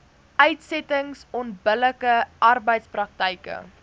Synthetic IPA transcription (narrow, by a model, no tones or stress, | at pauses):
ʔœɥtsɛtəŋsɔntbələkəʔɐrbəjtsprɐk̚təjkə̰